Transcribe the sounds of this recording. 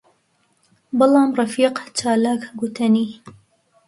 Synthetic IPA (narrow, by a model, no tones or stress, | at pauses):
bɨlɑːmrˤɑfiːqt͡ʃaːlaːkɡut̪ʰɐniː